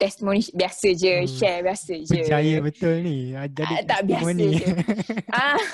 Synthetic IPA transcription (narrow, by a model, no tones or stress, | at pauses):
t̪ɛst̪imõnibiasəd͡ʒəʃɛbiasəd͡ʒpəəd͡ʒajəbət̪ʊlniad͡ʒadit̪abiamsãnĩə | a